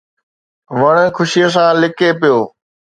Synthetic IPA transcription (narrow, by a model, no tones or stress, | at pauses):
ʋəɳ̃kʰʊʃijes̬ãːlɪkeːpɪjoː